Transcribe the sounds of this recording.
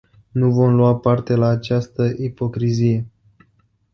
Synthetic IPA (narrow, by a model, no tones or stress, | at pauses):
nuvo̞mlwapart̪e̞laːt͡ʃast̪əʔipo̞kɾizije̞